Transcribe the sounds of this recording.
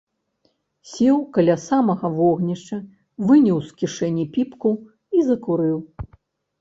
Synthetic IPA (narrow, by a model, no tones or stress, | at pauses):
sʲɛwkɐlʲasamɐɣɐvɔɣnʲiʂt͡ʂɐ | vɨnʲiwskʲiʂɛnʲːipʲipku | izɐkuɾɨw